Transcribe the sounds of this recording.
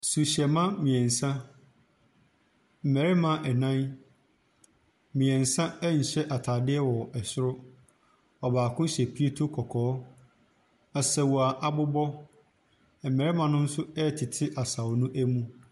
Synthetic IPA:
su˨ɕɛ˨mã˦mĩ˨ɛ̃˨n̩˨sã˦ | m̩˨mɛ˨ɾɪ˦mã˦ʔɛ˨nã˦n˦ | mĩ˨ɛ̃˨n̩˨sã˦ɛ˦ɲ̩˨ɕɛ˦ʔa˨tʰaː˨dɪ˦ɛ˦wɔ˨ɛ˨sʊ˦ɾʊ˦ | ɔ˨baː˨kʰʊ̃˦ɕɛ˨pʰi˦e˦tʰo˦kʰɔ˨kʰɔː˨˦ | a˨sɛ˨wɔ˨a˨ʔa˨bʊ˦bɔ˦˨ | mɛ˨ɾɪ˦mã˨nʊ̃˦n̩˦sʊ˦ɛ˦˨tʰɪ˨tʰɪ˦ʔa˨sa˨wnũ˦ʔæ˦mũ˦

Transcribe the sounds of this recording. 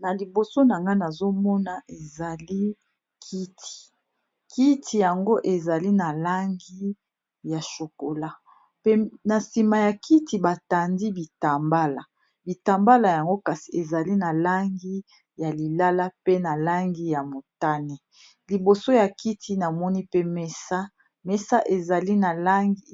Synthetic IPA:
na˨li˨bo˨so˦na˨ŋɡa˦na˨zo˦mɔ˦na˨ʔe˨za˨li˦ | kʰi˦tʰi̥˨ | ki˦tʰi˨ja˨ŋɡo˦ʔe˨za˨li˦na˨la˦ŋɡi˦ | ja˨ʃo˨ko˨la˦ | pe˦na˨si˨ma˨ja˨ki˦ti˨ba˨ta˨ndi˦bi˨ta˨mba˦la˨ | bi˨ta˨mba˦la˨ja˨ŋɡo˦ka˨si̥˨e˨za˨li˦na˨la˦ŋɡi˦ | ja˨li˨la˦la˦pe˦na˨la˦ŋɡi˦ja˨mo˨ta˦ne˨ | li˨bo˨so˦ja˨ki˦tʰi˦na˨mɔ˦ni˦pe˦mɛ˦sa˦ | me˦sa˦ʔe˨za˨li˦na˨la˦ŋɡi˦

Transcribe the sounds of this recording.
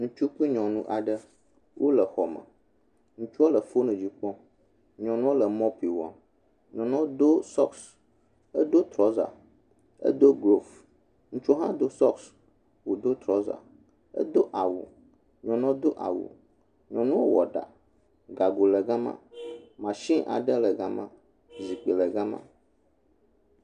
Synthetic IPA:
ŋũ˦t͡ʃu˦k͡pi˦ɲɔ̃˨nũ˦ʔa˨ɖə˦ | wʔo˦lə˨xɔ˨mə̰̃˨ | ŋũ˦t͡ʃu˦o˦lə˨fo˦nũ˨d͡ʑi˦k͡pɔ̃˦ | ɲɔ̃˨nũ˦wo˦lə˨mɔ̃˦pi˨wa̰˨ | ɲɔ̃˨nɔ̃˦o˦d̪o˦sɔ˦ks | ə˦d̪o˦t̪ɾɔ˦za̰˨ | ə̰˦d̪o˦ɡɾo˦˨f | ŋũ˦t͡ʃo˦ɦã˦d̪o˦sɔ˦ks | wo˨d̪o˦t̪ɾɔ˦za̰˨ | ə̰˦d̪o˦ʔa˨wṵ˨ | ɲɔ̃˨nɔ̃˦d̪o˦ʔa̰˨wṵ˨ | ɲɔ̃˨nũ˦wo˦wɔ̰˨ɖa̰˨ | ɡa˨ɡo˨lə˨ɡa˦mã̰˦mã˨ʃĩ˦ʔa̰˨ɖə˦lə˨ɡa˦mã̰˦ | zi˨k͡pe˨lə˨ɡa˦mã̰˦

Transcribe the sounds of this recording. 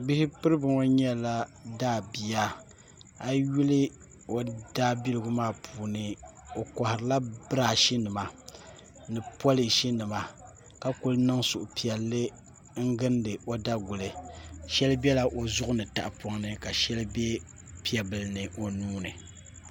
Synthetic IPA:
bi˦hɪ˦pɨ˦ɾɨ˦bɨ˨ŋo˦ɲɛ˦la˦daː˦˨bi˨ja˦ | a˦ju˦lɨ˦ | o˨d̥aː˦bi˦lɨ˨ɡʊ˦maː˦˨pʰuː˨nɨ˨ | o˨kɔ˨hɪ˨ɾɨ˨la˦bɨ˦ɾa˨ʃi˦nɨ˨ma˨ | nɨ˨pwɔ˦lɨ˨ʃi˦nɨ˨ma˨ | ka˦ko˦lnɨ˦ŋsʊ˨ʔʊ˨pi˨ɛ˨lːɨ˦ | ŋ̩˦ɡɨ˦ndɨ˨o˦da˦ɡʊ˨lɨ˨ʃɛ˦lbɛ˦la˦ʔo˨zʊ˦ʔʊ˦nɨ˨ta̰˨ʔa˨pɔ˦ŋnɨ˦ka˨ʃɛ˦lɨ˦bɛ˦ | pi˦ɛ˨bɨ˨lɨ˦nɨ˨ʔo˨nuː˦nɨ˨

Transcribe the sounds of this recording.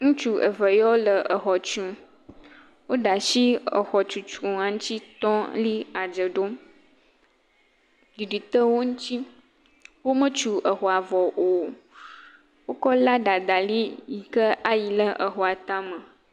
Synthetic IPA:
ŋũ˦t͡ʃu˦ʔə̰˨və˨jɔ˦lə˨ə˨xɔ˨t͡ʃũ˨ | wo˦ɖa˨ʃi˦ə˨xɔ˨t͡ʃu˨t͡ʃũ˨ŋã˨ŋũ˦t̪i˦t̪ɔ˦li˦a˨d͡ʒə˨ɖo˦ | di˨ɖi˨t̪ə˦wo˦ŋũ˦t̪i˦ | wo˦mə˦t͡ʃu˨ʔə˨xɔ˨a˨vɔ˨o˨ | wo˦kɔ˦la˦ɖa˨d̪a˨li˦ji˨kə˦ʔa˦ji˨lə˦ʔə˨xɔ˨a˨t̪ã˦mə̃˨

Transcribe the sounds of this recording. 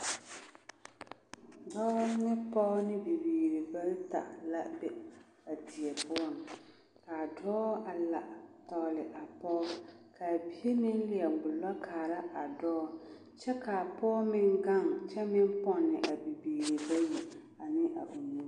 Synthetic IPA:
dɔː˦nɪ˦pɔ˦nɪ˦bi˨biː˨ɾi˨ba˦lta̰˨la̰˦bɛ˨ | a˨dɪ˨ɛ˨bʊ˦ɔ˦˨n˨ | ka˨dɔː˦a˨la˨ʔtɔː˨lɪ˨ʔa˨pɔː˦kʰa˨bi˦e˦nɪ˦n˦lɪ˨ɛ˨ɡ͡bʊ˨lɔ˦kaː˨la˦ʔa˨dɔː˦ | t͡ʃɛ˦ka˨pɔː˦mɪ˦ŋɡa˦˨ŋt͡ʃɛ˦mɪ˦m˦pɔ˦˨nːɪ˨ʔa˨bi˨biː˨ɾi˨ba˦jɛ˨ | a˨nɪ˦ʔa˨ʔu˨nu˦

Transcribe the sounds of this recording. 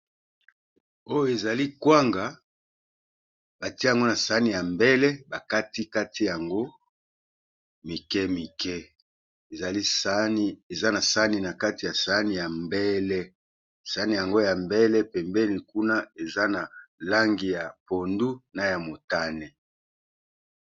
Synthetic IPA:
o˦jo˨e˨za˨li˦kwa˦ŋɡa˨ | ba˨ti˦˨a˨ŋɡo˦na˨sa˨˦ni˨ja˨mbɛ˦lɛ˦ba˨ka˦ti˦ka˦ti˦ja˨ŋɡo˦ | mi˨kɛ˦mi˨kɛ˦ | e˨za˨li˦ni˦e˨za˦na˨sa˦ni˨na˨ka˦ti˨ja˨sa˦ni˨ja˨mbɛ˦lɛ˦ | sa˨˦ni˨ja˨ŋɡo˦ja˨mbɛ˦lɛ˦pɛ˨mbɛ˦ni˨ku˦na˦e˨za˦na˨la˦ŋɡi˨ja˨po˨ndu˦na˨ja˨mo˨ta˦ne˨

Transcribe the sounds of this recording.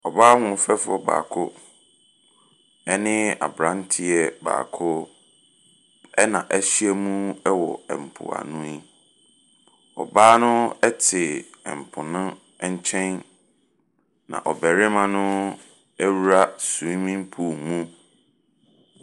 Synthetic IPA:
ɔ˨baː˦ŋʊ̃˨fɛ˦fʊ˦ɔ˨ba̰ː˨kʰʊ˦ | ɛ˦nɪ̃˦a̰˨bɾã˦n˦tʰɪ˦ɛ˦ba̰ː˨kʰʊ˦ | ɛ˦nã˨ʔæ˦˨ɕi˦ɛ˦mũ˦ɛ˦wɔ̰˨ɛ˨m̩˨pʰʊ̰˨a̰˨nũ˦i˦ | ɔ̰˨baː˦nʊ̃˦ɛ˦tʰɪ˨ɛ̰˨m̩˨pʰʊ˨nʊ̃˦ | ɛ˦ɲ˦t͡ɕʰɛ̃˦n | nã̰˨ʔɔ˨bɛ˨ɾɪ˦mã˦nʊ̃˦ | ɛ˦wu˦ɾa˦sũ˨ĩ˦mĩ˦m˦pʰu˨mũ˦

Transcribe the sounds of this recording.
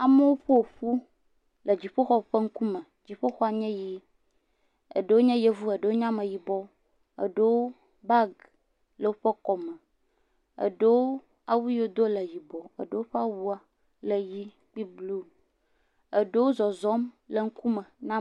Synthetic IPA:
a˨mə˦wo˦ɸə˦o˨ɸu˦ | lə˨d͡ʑi˨ɸo˦xɔ˦ɸə˦ŋ̩˦ku˦mə̃˨ | d͡ʑi˨ɸə˦xɔ˦a˨ɲɛ̃˦ji˦ | ə̰˨ɖə˦wo˦ɲɛ̃˦je˦vu˦ə˨ɖə˨wo˦ɲã˦mə̃˨ji˨bɔ˦ | ə̰˨ɖə˦wo˦ | ba˦ɡ | lə˨wo˦ɸə˦kɔ˨mə˨ | ə̰˨ɖə˦wo˦ | a˨wu˦jo˦d̪o˦lə˨ji˨bɔ˨ə̰˨ɖə˦wo˦ɸə˦a˦wu˦a˨ | lə˨ji˦ | k͡pi˦blu˦ | ə˨ɖə˦wo˦zɔ˨zɔ˦mlə˨ŋ̩˦ku˦mə˨nã˦

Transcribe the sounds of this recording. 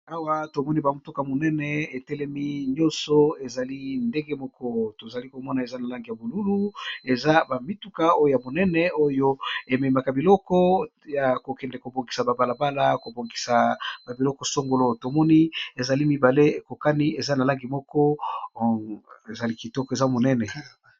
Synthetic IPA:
a˦wa˦to˨mɔ˦ni˦ba˨mu˨to˦ka˨mo˨nɛ˦nɛ˨e˨tɛ˦lɛ˦mi˦ɲɔ̃˦nsɔ˦e˨za˨li˦nde˦ŋɡe˦mɔ˦kɔ˦to˨za˨li˦ko˨mɔ˦na˨e˨za˦na˨la˦ŋɡi˨ja˨bo˨lu˦lu˦e˨za˦ba˨mi˦tu˨˦ka˦o˦jo˨ja˨bo˨nɛ˦nɛ˨o˦jo˦e˨mɛ˨ma˨ka˨bi˨lɔ˦kɔ˦ja˨ko˨kɛ˨ndɛ˨ko˨bo˨ŋɡi˨sa˨ba˨ba˨la˨ba˦la˦ko˨bo˨ŋɡi˨sa˨ba˨bi˨lɔ˦kɔ˨so˦ŋɡo˨lo˦to˨mɔ˦ni˦e˨za˨li˦mi˨ba˨le˦e˨ko˨ka˦ni˦e˨za˦na˨la˦ŋɡi˨mɔ˦kɔ˦ | e˨za˨li˦ki˨tɔ˦kɔ˨e˨za˦mo˨nɛ˦nɛ˨

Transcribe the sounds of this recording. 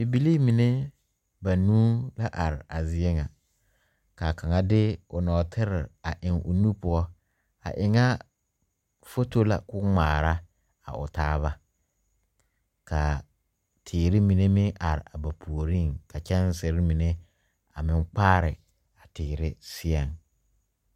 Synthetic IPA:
bi˨bi˦li˦mi˨ne˦ | ba˨nuː˦la˦ʔa˨ɾɪ˨a˨zɪ˦e˦ŋa˨ | ka˨ka˨ŋa˨dɪ˦ʊ˨nɔː˨tʰɪ˦ɾɪ˨a˨ʔɪ˨ŋʊ̰˨nu˦pʊ˦ɔ˦ | a̰˨ʔɪ˨ŋa˦ | fo˦to˦la̰˨kʊ˦ŋ͡maː˨ɾa˦ | a̰˨ʊ̰˨taː˦βa˦ | kʰa˨ | tʰɪː˨ɾɪ˦mi˨ne˦mɪ˦ʔa˨ɾɪ˨a˨ba˨pʰu˨o˨ɾi˦˨ŋka˨t͡ʃɛ˦n˦sɪ˨ɾɪ˦mi˨ne˦ | a˨mɪ˦ŋk͡paː˦ɾɪ˨ | a˨tʰɪː˨ɾɪ˦sɪ˦ɛ˨ŋ

